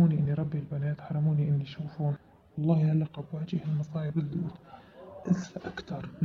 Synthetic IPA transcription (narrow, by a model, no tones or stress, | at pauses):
uːniʔɪnːiɾˤɑbːilbanaːt̪ħɑɾˤːɑmuːniʔɪnːiʃuːfuːn | wɑlˤːɑːhhalːɑqɑbwaʕd͡ʒiːhalmɑsˤɑːjɪbɪld̪ṵːt̪ʔɪsfaʔakt̪ɑɾˤ